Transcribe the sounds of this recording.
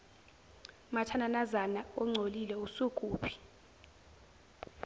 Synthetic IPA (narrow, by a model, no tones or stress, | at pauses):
matʰananazanaɔŋ͡ǀʱolilɛusukʼuːpʰi̥